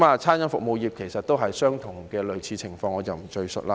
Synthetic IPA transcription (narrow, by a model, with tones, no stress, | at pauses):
maː˨t͡sʰaː˥njɐ˨˥nfʊ˨k̚mo˨˧wjiː˨p̚kʰe˨˩jsɐ˨t̪ːo˥wɦɐ˨jsœː˥ŋt̪ʰʊ˨˩ŋkɛː˧lɵ˨˧ɥt͡sʰiː˨˧t͡sʰɪ˨˩ŋfɔː˧ŋɔː˨˧t͡sɐ˨wm̩˨˩t͡ʃɵ˧ɥsɵ̰˨t̚laː˧˥